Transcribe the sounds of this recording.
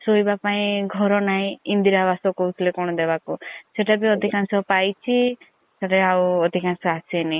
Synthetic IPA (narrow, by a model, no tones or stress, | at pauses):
soibapaĩɡʱɔɾɔnaĩind̪iɾabasɔkɔt͡ʃʰlekɔɽ̃ɔd̪ebakuseʈabiɔd̪ʱikansɔpajt͡ʃʰi | saʈeawɔd̪ʱikansɔasʰeni